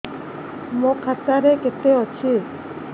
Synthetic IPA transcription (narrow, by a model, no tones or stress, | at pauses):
mokʰat̪aɾeket̪eɦɔt͡ɕʰi